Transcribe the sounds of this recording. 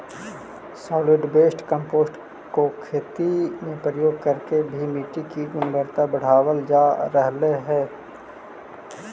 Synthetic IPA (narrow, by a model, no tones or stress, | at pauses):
sɔːlɪɖbeːsʈkə̃mpoːsʈ | kokʰeːt̪imẽpɾəjoːɡ̚kɐɾkebʱimiːʈikiɡʊnbəɾt̪abɐɽ̤aːwəld͡ʒaːɾəɦleɦɛː